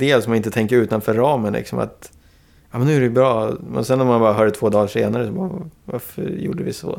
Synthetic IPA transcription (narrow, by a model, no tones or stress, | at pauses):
d̪eːlsɔmanɪnt̪ət̪ʰɛŋkəɾʉ̟ːt̪anfœɾːɑːmənlɪ̰ksɔma̰t̪ | ɑːmɛnːʉæɾɛjbɾɑːmɛ̰nsɛnːɔmanbɑːɾaɦœːɖət̪ʰv̥oːd̪ɑːʂeːnaɾəsɔbɑːvaɾfœ̰ɾjṵːɖəvɪ̰sɔ̰